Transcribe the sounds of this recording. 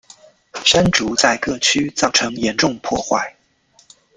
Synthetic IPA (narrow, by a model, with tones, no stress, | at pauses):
ʂa˥nʈ͡ʂu˧˥t͡sa˥˧ɪkɤ˥˩t͡ɕʰy˥t͡sɑ˥˩ʊʈ͡ʂʰɤ˧˥ŋjɛ˧˥nʈ͡ʂʊ˥˧ŋpʰwɔ˥˧xwa̰˥˩ɪ